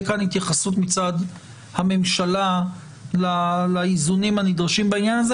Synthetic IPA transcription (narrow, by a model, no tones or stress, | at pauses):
kanhit̪jaχasut̪mit͡sad̪ | hame̞mʃala | lalaizunimhanid̪ʁaʃimbainjanaze